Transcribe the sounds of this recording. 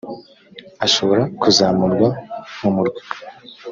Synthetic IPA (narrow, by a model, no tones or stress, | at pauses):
aʃo̞βo̞ɾakuzaːmuɾɡwamumuɾɡwi̥